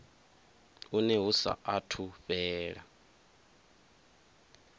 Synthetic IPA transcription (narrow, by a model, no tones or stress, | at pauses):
unɛɦusa̰ʔatʰuβɛːɺa